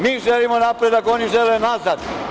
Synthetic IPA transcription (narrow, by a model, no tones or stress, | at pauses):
miːʒelimonapɾed̪ako̞niʒelenazad̪